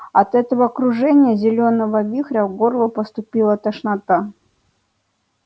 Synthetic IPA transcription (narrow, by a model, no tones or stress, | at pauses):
ɐt̪ɛt̪əvəːkɾʊʐɛnʲɪjəzʲɪlʲonəvəvʲixɾʲəvɡorlˠʊpəst̪ʊpʲilˠət̪əʂnɐt̪a